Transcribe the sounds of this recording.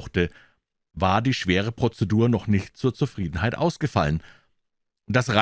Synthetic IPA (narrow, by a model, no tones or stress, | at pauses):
xtə | vaːɐdiːʃv̥eːʁ̞əpʁ̥ot͡seduːɐnɔχnɪçtt͡suːɐt͡sufʁ̥iːdn̩haɪtʔa̰ʊsɡ̥əfalən | d̥asʁa